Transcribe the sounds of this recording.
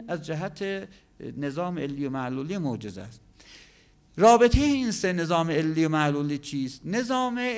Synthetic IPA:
æzd͡ʒæɦæt̪ʰe | ne̞zɒːmeelːiːjomæluːliːmod͡ʒezæ̰st̪̚ | ɾɒːbet̪ʰejeiːnsene̞zɒːmeelːijomæʔluːliːt͡ʃʰiːst̪ne̞zɒːme

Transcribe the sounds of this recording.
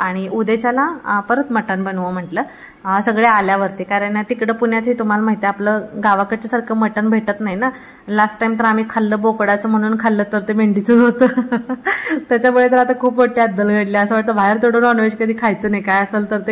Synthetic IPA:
aɽ̃iud̪et͡ɕalãpəɾət̪məʈənbənʋəm̤əʈləː | səɡɭealjaʋəɾt̪ekaɾəɳjat̪ikɽəpuɳjat̪ɦit̪um̤alamaɦit̪eapləɡaʋakəʈt͡ɕasaɾkʰəməʈənbʱeʈət̪naɦjina | lasʈːajmt̪əɾam̤iːkʰalːəːbokɽat͡səm̤əɽ̃uːnkʰalːət̪əɾt̪emeɳɖit͡sət͡sɦot̪ə | t̪jat͡ɕamuɭet̪əlat̪akʰuːpʋoʈlead̪ːəlɡʱəɽləəsəːʋaʈ̚t̪əːbʱaɦeɾt̪ʰoɽoːnɔnʋeɕkəd̪ʱiːkʰajt͡səːnajkajəsəlt̪əɾt̪e

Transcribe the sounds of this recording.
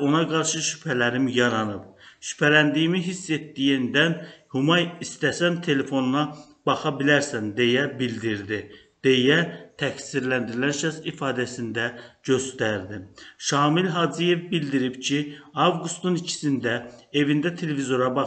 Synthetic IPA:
o̞nɑɡɑɾʃɯʃy̥pʰælæɾimjɑɾɑnɯbʃy̥pʰælænd̪ijimiɦisːe̞t̪ːijind̪ænhumɑjist̪æsænt̪ʰe̞le̞fo̞nunɑ | b̥ɑχɑbilæɾsænd̪e̞jæbild̪iɾd̪i | d̪̥e̞jæt̪ʰæcsiɾlænd̪iɾilænʃæsifɑːd̪æsind̪æɟ̥ø̞st̪æɾd̪imʃɑːmilɦɑd͡ʒije̞vbild̪iɾibcʰiɑvɡust̪unicʰi̥sind̪æe̞vind̪æt̪ʰe̞le̞vizo̞ɾɑbɑ

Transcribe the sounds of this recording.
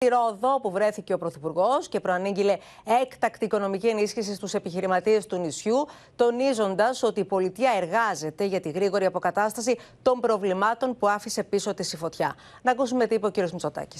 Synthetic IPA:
iɾo̞ðo̞puvɾe̞θice̞o̞pɾo̞θipuɾɣo̞sce̞pɾoɐniɲɟile̞ | e̞kt̪ɐkt̪iːko̞no̞micie̞nisçisist̪use̞piçiɾimɐt̪ie̞st̪unisçu | t̪o̞nizo̞nd̪ɐso̞t̪iːpo̞lit̪iɐe̞ɾɣɐze̞t̪e̞ʝɐt̪iɣɾiɣo̞ɾiɐpo̞kɐt̪ɐst̪ɐsit̪o̞mbɾo̞vlimɐt̪o̞npuɐfise̞piso̞t̪isifo̞t̪çɐ | nɐkusume̞t̪ipuociɾio̞zmit͡so̞t̪ɐ̰ci̥s

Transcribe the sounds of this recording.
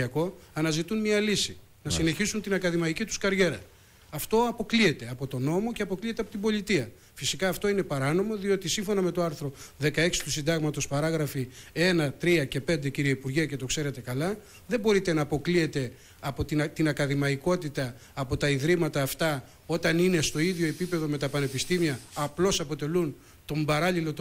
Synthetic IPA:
ɐko̞ɐnɐzit̪unmɲɐlisi | nɐsine̞çisunt̪inɐkɐðimɐicit̪u̥skɐɾʝe̞ɾɐ | ɐft̪o̞ɐpo̞klie̞t̪e̞ɐpo̞t̪o̞no̞mo̞ce̞ɐpo̞klie̞t̪eɐpo̞t̪̬imbo̞lit̪iɐ | fisikɐːft̪o̞ine̞pɐɾɐno̞mo̞ðio̞t̪isiɱfo̞nɐme̞t̪o̞ɐɾθɾo̞ðe̞kɐe̞ksi̥t̪usind̪ɐɣmɐt̪o̞spɐɾɐɣɾɐfie̞nɐt̪ɾiɐce̞pe̞nd̪e̞ciɾieipuɾʝiɐce̞t̪okse̞ɾe̞t̪e̞kɐlɐ | ðe̞bo̞ɾit̪e̞nɐːpo̞klie̞t̪e̞ | ɐpo̞t̪int̪inɐkɐðimɐiko̞t̪it̪ɐː | po̞t̪ɐiðɾimɐt̪ɐːft̪ɐ | o̞t̪ɐnine̞st̪o̞iðʝo̞e̞pipe̞ðo̞me̞t̪ɐpɐne̞pist̪imiɐːplo̞sɐpo̞t̪e̞lun | t̪o̞mbɐɾɐʎilo̞t̪

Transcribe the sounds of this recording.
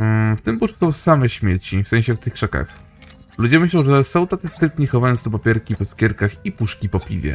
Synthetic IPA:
ft̪ɘmputu̥t̪ɔwsamɛɕmʲjɛt͡ɕifsɛ̃ɕɛft̪ɘxkʂɛka̰x | lud͡ʑɛmɘɕlɔ̃w̃ʐɛsɔwt̪at̪ɛspɘt̪ɲɛxɔvajɔnst̪ɔp̬apʲjɛɾkʲipɔskʲɛɾkaxipuʂkʲipɔpʲḭvʲjɛ̰

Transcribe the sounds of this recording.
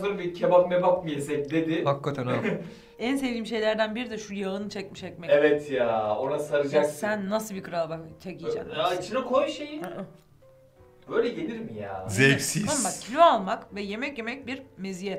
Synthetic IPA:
oɾbicʲʰebapmɛbakmɯjesɛc̚d̪e̞d̪ɪbakːat̪ʰan | ænsevd̪ʲiːmʃ̬e̞jlʲæɾd̪ænbiɾid̪ɛʃujaɯnɯt͡ʃʰɛc̚miʃɛc̚mɛevɛt̪ʰjaːo̞nasaɾɯd͡ʒksænːasɯlˠbikʰɯɾalˠbat͡ʃʰecid͡ʒa̰mait͡ʃʰinɛkʰojʃeji | bø̞jlʲɛɟenʲiɾmija̰ːzebsiabakcʰilʲoalˠmakvɛje̞mɛcje̞mɛc̚biɾmezijɛt̪

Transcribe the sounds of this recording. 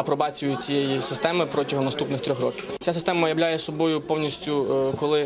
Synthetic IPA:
ɐpɾɔbɑt͡sʲʊjʊt͡sʲijɛjisɪst̪ɛmɪpɾɔtʲɐɦɔmnɐst̪upnɪxt̪ɾʲɔxrɔkʲɪwt͡sʲasɪ̥st̪ɛmɐjɐʋwlʲajɛsɔbɔjʊpɔwnʲisʲtʲʊkɔlˠɪ

